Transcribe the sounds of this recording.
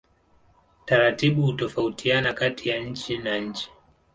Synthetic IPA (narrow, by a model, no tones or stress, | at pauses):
taɾatiɓuhutɔfautʰianakatʰijaɲ̩t͡ʃinaɲ̩t͡ʃi̥